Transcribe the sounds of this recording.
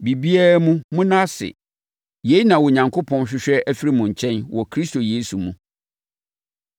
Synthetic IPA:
bi˨bi˦æ˦mũ˦mũ˦nã˦sɪ̰˨ | je˨˦i˦nã˨wɔ˨ɲã˨ŋkʰo˦pʰɔ̃˦nɕᶣɪ˦ɕᶣɛ˦ʔæ˦fi˦ɾi˦mũ˨ɲ̩˨t͡ɕʰɛ̃˦nwɔ˨kʰɾi˦sto˨jeː˦su˨mṵ̃˨

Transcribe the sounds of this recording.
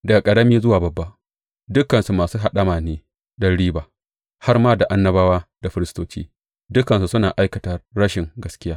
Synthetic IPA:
dɐ˨ɡa˨kʼɐ˨ɽɐ˦miː˦zʊ˦waː˨bɐ˨bːa˦ʔ | dʊ˦kɐ˨nsu˨maː˨suː˦ɦa˨ɗɐ˦maː˨neː˦ | dɐ˦ɽiː˦baː˨ | ha˦rmaː˦da˨ʔa˦nːɐ˦baː˦waː˦da˨ɸɪ˦ɾɪ˦stoː˦t͡ʃiː˦ | dʊ˦kɐ˨nsu˨sʊ˦naː˨ʔa˦jkɐ˨tɐ˨rːɐ˦ʃɪ˨ŋɡɐ˦skʲɪ˦jaː˦

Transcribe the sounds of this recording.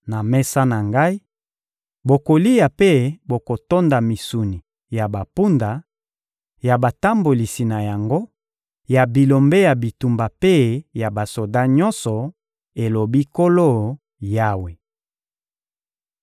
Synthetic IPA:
na˨mɛ˦sa˦na˨ŋɡa˦i˦ | bo˨ko˨li˦ja˨pe˦bo˨ko˨to˦nda˨mi˨su˨ni˨ | ja˨ba˨pu˦nda˨ | ja˨ba˨ta˦mbo˨li˨si˨na˨ja˨ŋɡo˦ | ja˨bi˨lo˨mbe˦ja˨bi˨tu˨mba˨pe˦ja˨ba˨so˨da˦ɲɔ˦nsɔ˨ | e˨lo˨bi˦ko˦lo˦˨ | ja˦we˨

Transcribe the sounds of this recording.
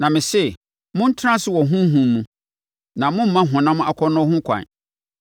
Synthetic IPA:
nã˨mɪ̃˨sɛ˦˨ | mʊ̃˦n̩˦tʰɾã˦sɪ˦wɔ˨ɦũ˦ɦũ˨m˦mũ˨ | nã˨mʊ̃˦m̩˦mã˦ɦʊ̃˨nã˦mʊ̃˦ʔa˨kʰɔ˦nɔ̃˦hʊ̃˦kʰã̰˨n

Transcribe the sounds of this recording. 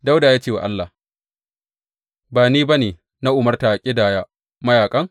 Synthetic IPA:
da˦wdaː˨jaː˦t͡ʃeː˦˨wa̰˨ʔa̰˦lːa˨ | baː˨niː˦ba˦neː˨ | na˦ʔʊ˨mɐ˦rta˨ʔkʲʼɪ˦daː˨ja˦ | mɐ˦jaː˨kʼɐ˦ŋ

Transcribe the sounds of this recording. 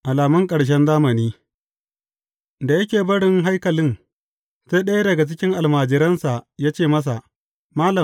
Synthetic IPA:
ʔa˨laː˨mʊ˦ŋkʼɐ˨ɽʃ̬ɛ˦nzaː˦mɐ˨niː˦ | da˨jɐ˦kʲeː˨bɐ˦ɽɪ˦ŋɦa˦jkɐ˨lɪ˦n | seː˦ɗɐ˦ja˦dɐ˨ɡa˨t͡ʃɪ˦kʲɪ˦ŋʔa˨lmaː˨d͡ʒɪ˨ɾɐ˦nsa˨jaː˦t͡ʃeː˦˨mɐ˦s̬a˨ | maː˦lɐ˨

